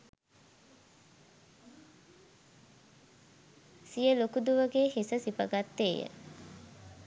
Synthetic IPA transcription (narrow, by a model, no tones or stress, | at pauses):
sijəlokud̪uʋəɡeːhesəsipəɡat̪ːeːjə̰